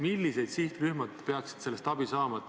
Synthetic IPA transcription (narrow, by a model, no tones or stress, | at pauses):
milːise̞jd̪̥siht̪ryhmɑd̪̥pe̞ɑksi̥d̥̪se̞lːe̞st̪ɑb̥isɑːmɑ